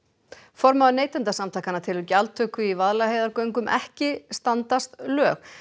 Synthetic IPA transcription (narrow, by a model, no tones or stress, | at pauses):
fɔɾmaðneːjt̪ɛnt̪asamt̪ajkanat̪ʰɪlʏcalt̪ʰœːkʏivaðlaheːjðaɾkœɥŋkʏmʔɛ̰hcɪst̪ant̪ast̪lœːx